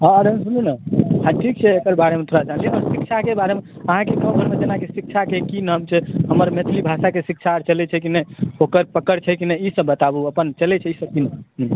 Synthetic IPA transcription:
ɔd̪ʱənsuninaɦãʈʰik̚t͡ʃʰɛekəɾbaɽemẽt̪ʰoɾad͡ʒãnliɔɾsik̚t͡ʃʰakebaɾemeəɦãkekə̃bʱəɾmed͡ʒenakesik̚t͡ʃʰakekinɦəmt͡ʃʰɛɦəməɾmet̪ʰɾibʱasakesikt͡ʃʰaɾt͡ʃəlɛt͡ʃʰɛkinɛokəɾpəkəɾt͡ʃʰɛkinɛisəbːət̪abuəpənt͡ʃəlɛt͡ʃʰɛisəbkinɦ

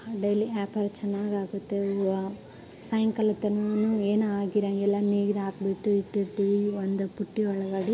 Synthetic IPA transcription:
ɖɐjliʔaːpɐɾt͡ʃɐnːaːɡaːɡut̪ːe | sɐjɐŋkɐlɐt̪ːɐnunueːnaːɡiɾɐŋɡɛlːɐniːɡiɾaːkbiʈːuiʈːiɾt̪iʋiond̪upuʈːiɔɭɐɡɐɽi

